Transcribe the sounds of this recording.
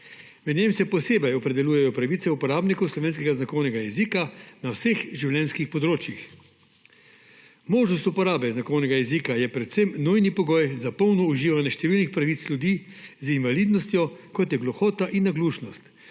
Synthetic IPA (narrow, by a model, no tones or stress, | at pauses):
mɛd̪nʲemsɛpɔseːbɛjɔpɾɛd̪ɛluːjɛjɔpɾaʋit̪sɛupɔɾaːbnikɔwslɔʋeːns̬kɛɡaznakɔwnɛɡajɛziːkanawsexʒiwlʲjɛnskixpɔd̪ɾoːt͡ʃjix | moːʒnɔst̪upɔɾaːbɛznakɔwnɛɡajɛzikajɛpɾɛt̪semnujnipɔɡɔːjzapɔwnɔuʒiːʋanjɛʃt̪ɛʋiːlnixpɾaʋit̪sljud̪iː | zinvalid̪nɔst̪jɔkɔt̪jɛɡlɔxɔːt̪aʔinːaɡluːʃnɔst̪